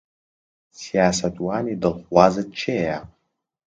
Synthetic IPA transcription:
sjaːsatʼwanidɨlχʷwazɨd̚t͡ʃʰeja

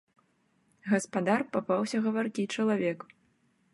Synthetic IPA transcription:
ɣɐspad̪arpapawsʲɐɣɐvarkʲit͡ʂɐlˠavʲɛk

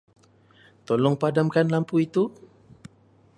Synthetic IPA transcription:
t̪olɔŋpadamkanlampuit̪u

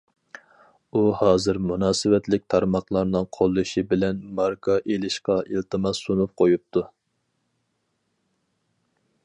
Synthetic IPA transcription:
uhɑːzɨɾmunɑːsɨwɛt̪lɪk̚ʲt̪ʰɑɾmɑχlˠɑɾnɨŋqʰolˠːuʃibɪlɛnmɑɾkʰɑʔelɪʃqɑʔilt̪ɨmɑsunup̚qʰojup̚t̪ʰu

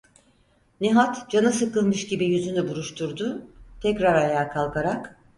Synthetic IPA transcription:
neɦat̪d͡ʒanɯsɯkɯlˠmɯʃɟibijyzynybuɾuʃt̪ʰuɾd̪ʊt̪ʰɛcɾaɾajaːkʰalˠkaɾak

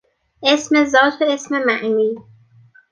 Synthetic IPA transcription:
ʔe̞sme̞zɒːt̪ʰoe̞smemæʔniː

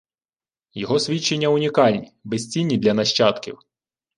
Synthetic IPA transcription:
jɔɦɔsʲʋʲit͡ʃːe̞nʲːɐʊnʲikɑlʲnʲḭbesʲt͡sʲinʲːid̪lʲɐnɐʃt͡ʃɑt̪kʲḭw

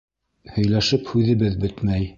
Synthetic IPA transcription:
hɵ̆jlæʃɘphʉðɘ̆βɘðbɵt̪mæj

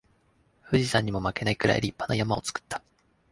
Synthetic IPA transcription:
ɸɯ̟ʑisãɲ̟ːimo̞make̞naikɯ̟ɾa̰eɾʲipːanojamao̞̰t͡sɨ̥kɯ̥t̪ːḁ

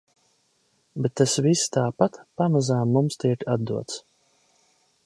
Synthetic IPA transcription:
bɛt̪ːasvist̪aːpat̪pamazaːmːumst̪iɛkad̪d̪uɔt̪s

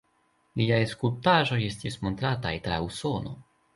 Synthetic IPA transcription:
liajeskultaʒo̞je̞stismo̞nt̪ɾatajtɾa̰uso̞no̞̰

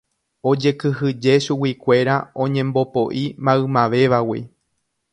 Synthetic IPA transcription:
o̞d͡ʒe̞kɨɦɨd͡ʒe̞ʃuwikʷe̞ɾaõ̞ɲẽ̞mbo̞poʔimãɨmãʋe̞ʋawi

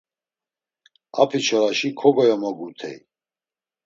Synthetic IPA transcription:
a̰pʰit͡ʃʰɔɾaʃikʰɔɡɔjɔmɔɡut̪ʰɛ̰j

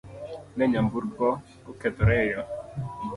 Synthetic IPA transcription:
nɛɲambuɾɡɔ | ʊkɛd̪ɾɛjɔ

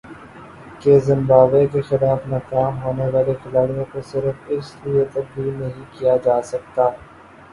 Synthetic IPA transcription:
kezɪ̃mbaːʋekexɪlaːfnɐkaːmɦoːneʋaːlexɪlaːɽijõkosɪɾəfɪst̪uet̪ɐk̚bʱinɐɦĩkijad͡ʒaːsɐk̚t̪aː

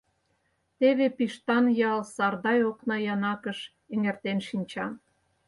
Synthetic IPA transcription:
t̪eβepiʃt̪ɑnjɑlsɑrd̪ɑjoknɑjɑnɑkəʃ | eŋert̪enʃinʲt͡ɕɑ

